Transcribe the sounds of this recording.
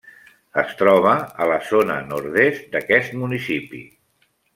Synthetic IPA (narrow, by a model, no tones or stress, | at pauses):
əst̪ɾɔβ̞əələzonə̰nuɾðest̪̚d̪əkɛst̪munisipḭ